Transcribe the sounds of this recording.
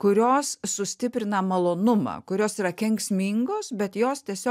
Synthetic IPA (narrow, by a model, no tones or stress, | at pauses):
kʊɾʲoːssʊsʲt̪ʲɪpʲɾʲɪnɐmɐlˠoːnʊmɐ̰ːkʊɾʲoːsiːɾɐkʲɛŋksʲmʲiːŋɡoːsbʲɛt̪joːst̪ʲiɛsʲoː